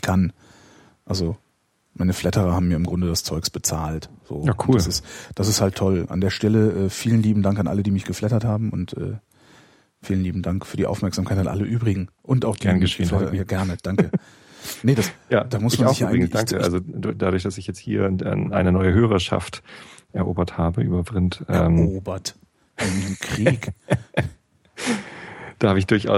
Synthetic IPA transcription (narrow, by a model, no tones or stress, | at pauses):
kʰan | ʔalzo | maɪnəflɛtəʁɐhaːbm̩jaːɪmɡʁʊndədast͡sɔʏksb̥ət͡saːltz̥oːakʰuːdːlsɪstd̥as̬ɪsthaltʰɔlʔa̰ndeːɐʃtɛləʔɛːfiːlənliːbm̩daŋkanʔa̰lədiːmɪçɡ̥əflɛtɐthaːbm̩ʊntʔɛ̰ː | fiːlənliːbm̩daŋkfyːɐdiːʔa̰ʊfmɛɐkz̥amkʰaɪtanʔa̰ləʔyːbʁɪɡŋ̩ʔʊntaʊxd̥inɡəːlɛtɐtjaːɡɛɐnəd̥aŋkə | nəd̥asjaːd̥aːmʊsmanzɪçhaʔaɪd̥aŋkəʔa̰lzod̥adʊɐçd̥asɪçjɛt͡sthḭːɐʔɛ̰ːʔaɪnənɔʏəɦøːʁɐʃa̰ftʔɛɐʔoːbɐthaːbəʔyːbɐbʁɪntʔɐɛːmoːbɐt | ʔaɪmkʁ̥iːk | d̥aːhabəɪçd̥ʊɐçʔa̰ʊ